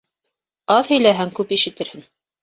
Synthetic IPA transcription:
ɑðhɵ̆jlæɦæŋkʉpiʃɘ̆t̪ɘ̆ɾhɘŋ

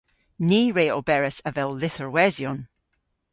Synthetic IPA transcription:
niːɹeːɔlˠbɛɹəsəvɛlˠːɪθəɹwɛzjɔn

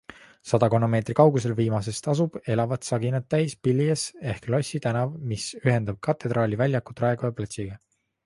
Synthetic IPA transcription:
sɑd̪̥ɑko̞nːo̞me̞ːt̪rikɑwɡus̬e̞lviːmɑs̬e̞st̪ɑs̬ub̥e̞lɑvɑt̪sɑɡinɑt̪ːæjspilʲːijese̞hklosʲːit̪ænɑvmisyɦe̞nd̪ɑb̥̚kɑt̪ːˑe̞d̪ɾɑːlʲivælʲjɑkːu̥t̪rɑe̞ɡ̥ojɑplɑt̪siɡ̥ɑ

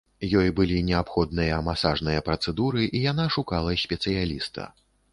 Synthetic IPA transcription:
jɔjbɨlʲinʲɛapxɔd̪̚nɨjɐmasaʐnɨjɐpɾɐt̪sɛd̪uɾɨʔijanaʂukalˠɐsʲpʲɛt̪sɨjalʲist̪ɐ̰

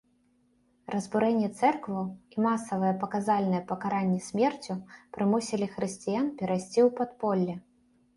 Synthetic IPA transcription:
rɐzbuɾɛnʲːɛt̪sɛrkvɐwimasɐvɨjɛpɐkazalʲnɨjɛpɐkaɾanʲːɛsʲmʲɛrt͡sʲupɾɨmusʲilʲixɾɨsʲt͡sʲijanpʲɛɾajsʲt͡sʲiwpat̪pɔlʲːɛ

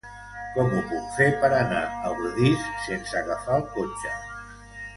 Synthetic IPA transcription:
kɔmupukfepəɾənaəβuɾuðissensəɣəfaəlˠkot͡ʃə

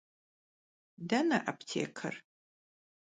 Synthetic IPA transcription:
dɐnɐʔɐpʰtʰḛːkʰɐ̰r

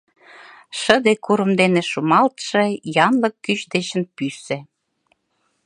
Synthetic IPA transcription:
ʃə̆d̪ekuɾəmd̪eneʃumɑlt̪ʃĕjɑnləkːyt͡ɕd̪et͡ɕə̆npysĕ

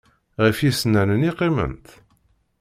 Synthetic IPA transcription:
ʁəfjisnænəniqːimə̰nt̪

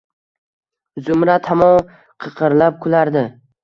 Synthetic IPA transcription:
zʊmɾat̪ʰamɒn | qʰɨqʰɨɾlap̚kʰʊlaɾd̪ɪ

